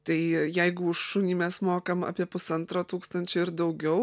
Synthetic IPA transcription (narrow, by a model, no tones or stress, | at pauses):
t̪ɐɪjɛɪɡʊʊʃʃʊnʲiːmʲɛsmoːkɐmɐ̰ːpʲiɛpʊsɐnt̪ɾoːt̪uːkst̪ɐnʲt͡ʃʲʊɪɾd̪ɐʊɡʲɛʊ